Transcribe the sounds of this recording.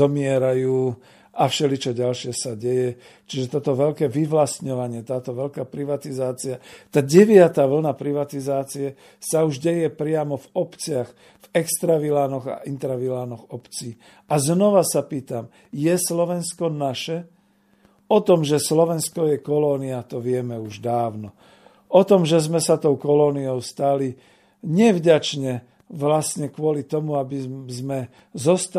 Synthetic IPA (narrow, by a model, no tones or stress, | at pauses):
ɔmɪɛɾajuː | ʔafʃɛlit͡ʃɔɟalʃɪɛsaɟɛjɛ | t͡ʃiʒɛt̪ɔt̪ɔʋɛlkɛːʋiʋlast̪ɲɔʋaɲɪɛt̪aːt̪ɔʋɛlkaːpɾiʋat̪izaːt͡siat̪aːɟɛʋɪat̪aːʋl̩napɾiʋat̪izaːt͡siɛ | sauʒɟɛjɛpɾɪamɔvɔpt͡sɪax | vɛkst̪ɾaʋilaːnɔɣa̰ʔint̪ɾaʋilaːnɔɣɔpt͡siː | aznɔʋasapiːt̪am | jɛslɔʋɛnskɔnaʃɛ | ɔt̪ɔmʒɛslɔʋɛnskɔjɛkɔlɔːniat̪ɔʋɪɛmɛuʒd̪aːʊnɔ | ɔt̪ɔmʒɛzmɛsat̪ɔʊkɔlɔːniɔʊst̪ali | ɲɛvɟat͡ʃɲɛ | ʋlasɲɛkʋʊɔlit̪ɔmuabizmɛ | zɔst̪